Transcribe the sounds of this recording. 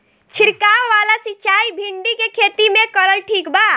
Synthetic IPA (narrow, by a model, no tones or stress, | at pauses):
t͡ʃʰɪɾkawʋalasit͡ʃaːibʱiɳɖikekʰet̪imẽkəɾəlʈʰiːkba